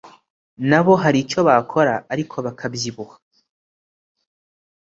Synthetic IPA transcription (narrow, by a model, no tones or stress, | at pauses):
naβo̞ɦaɾit͡ʃo̞βakʰo̞ɾaʔːɾikʰo̞βakʰabjiβuhḁ